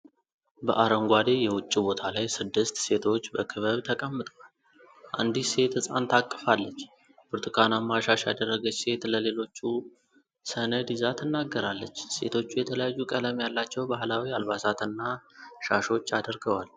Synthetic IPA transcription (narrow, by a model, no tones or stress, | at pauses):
bəʔaɾəŋɡʷad̪e̞jɛwʊt͡ʃʼːibo̞t̪ʰalajsɨd̪ːɨst̪se̞t̪ʰo̞t͡ʃːbəkʰɨβəβt̪ʰəkʼəmːɨt̪ʼəwal | ʔa̰nd̪ise̞t̪ɨsʼant̪ʰakʼːəfalːət͡ʃː | bɨɾt̪ʰʼɨkʰanamːaʃaʃja̰d̪ərːəɡət͡ʃse̞t̪ləle̞lo̞t͡ʃːu | sənəd̪izat̪ʰɨnːaɡːəɾalːət͡ʃːse̞̰t̪ʰo̞t͡ʃːujɛt̪ʰələjajːukʼələmjalːat͡ʃːɛwbahlawialβasat̪ɨnːaʃaʃo̞t͡ʃːad̪əɾɡəwal